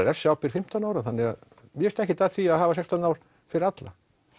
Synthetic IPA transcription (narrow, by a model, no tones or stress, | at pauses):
ɾɛfsɪawpɪɾ̥fɪm̥t̪anaːwɾaθanːɪɣa̰ð | mjɛst̪ɛhcɪt̪ʰaðθiaðɦaːvasɛkst̪anaːwɾ̥ | fɪɾɪɾat̪la̰